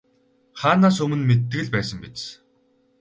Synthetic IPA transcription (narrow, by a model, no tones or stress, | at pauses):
χaːnaːs̬ɵmɘ̆nmet̪ːɘ̆ɣɘ̆ɮpæːsə̆mpet͡st͡s